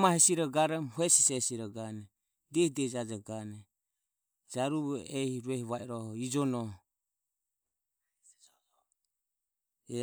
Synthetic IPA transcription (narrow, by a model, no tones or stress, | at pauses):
mahɛsiɾɔɡaɾɛmhuɛsisɛsiɾɔɡanɛ | d̪ɛhidɛd͡ʒad͡ʒaɡanɛ | d͡ʒaɾuɛhiɾuɛhiβaɛɾɔhɔid͡ʒɔnɔ